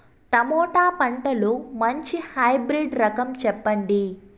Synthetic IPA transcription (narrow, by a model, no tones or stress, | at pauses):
t̪ɐmɔːʈaːpɐɳʈɐlumɐɲt͡ʃihɐjbɾiːɖɾɐkɐmt͡ʃɛpːɐɳɖi